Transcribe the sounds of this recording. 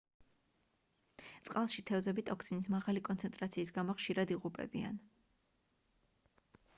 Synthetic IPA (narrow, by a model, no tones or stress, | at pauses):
t̪sʼqʼalˠʃit̪ʰɛvzɛbit̪ʼɔkʰsinismaʁalikʼɔnt̪sʰɛnt̪ʼɾat̪sʰiːs̬ɡamɔχʃiɾad̪iʁupʼɛ̰bia̰n